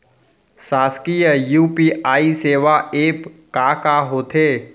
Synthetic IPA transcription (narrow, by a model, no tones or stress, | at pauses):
saːskijəjuːpiːʔaːiseːʋaeːpkakaɦoːt̪ʰeː